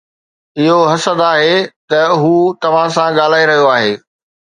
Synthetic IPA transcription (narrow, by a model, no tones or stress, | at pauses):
ɪɦoɦɐsəd̪aːɦet̪ɐɦuːt̪ɐʋ̤ãsãɠaːl̤aːiɾɐɦijoaːɦeː